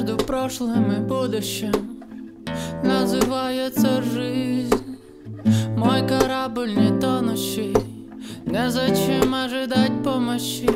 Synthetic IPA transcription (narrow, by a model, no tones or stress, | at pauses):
d̪ʊpɾɔʃlˠɦemɪbud̪ʊʃːɛ | nɐzɪʋajɛsɐʒɪzʲnʲ | mɔjkɐɾabɪlʲnʲit̪ɔnɔʃɪ | nɛzɔt͡ʃɪmɐʒɪd̪at̚ʲpɔmɔt͡ʃːɪ